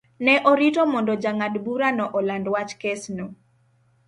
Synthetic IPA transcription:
nɛʔɔɾitɔmɔndɔd͡ʒaŋadbuɾanɔʔɔlandwat͡ʃkɛsno

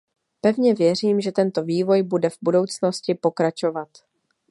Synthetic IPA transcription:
pɛvɲɛvjɛr̝iːmʒɛt̪ɛnt̪o̞viːvo̞jbudɛvbudo̞wt͡sno̞scɪpo̞kɾat͡ʃo̞vat̪

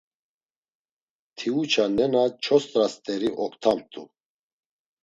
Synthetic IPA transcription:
t̪ʰiut͡ʃʰanɛnat͡ʃʰɔst̪ʼɾast̪ʼɛɾiʔɔkt̪ʰamt̪ʰʼu

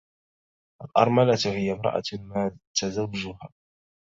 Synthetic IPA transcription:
ʔalʔɑ̰ɾˤmalat̪hɪjːamɾˤɑ̰ʔa̰maːt̪azawːad͡ʒʊhaː

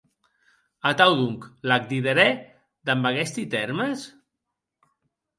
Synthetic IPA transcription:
at̪awðuŋklak̚d̪iðeɾɛ | d̪ambaɣɛst̪it̪ɛɾməs

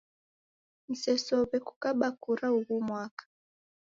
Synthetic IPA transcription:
n̩sɛsɔβɛku̥kaɓakuɾauɣumwakḁ

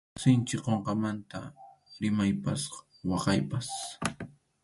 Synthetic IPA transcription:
sɪnt͡ʃɪqoɴqɑmant̪a̰ɾɪmajpasqɑ̥ | wɑqɑjpas

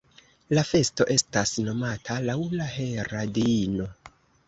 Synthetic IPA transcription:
lafe̞sto̞ʔe̞stasno̞matʰalawlaɦe̞ɾadino̞

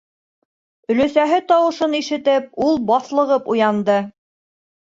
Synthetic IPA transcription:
ɵ̆lɵ̆sæɦɘt̪ɑwɤ̆ʃɤniʃɘ̆t̪ɘp̚ulˠbɑθlˠɤ̆ʁɤpujɑnd̪ɤ

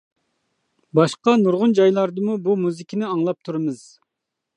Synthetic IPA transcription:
bɑʃqɑnuɾʁʊnd͡ʒɑjlˠɑɾd̪ɨmubumuzɪkʲʰinɪɑŋlˠɑp̚t̪ʰuɾɨmɨz̥

